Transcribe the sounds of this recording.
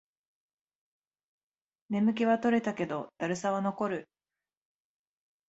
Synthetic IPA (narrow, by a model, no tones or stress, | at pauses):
ne̞mɯ̟k̬ʲiβat̪o̞ɾe̞t̪ake̞d̪o̞d̪̥aɾɯ̟saβano̞ko̞ɾɯ̟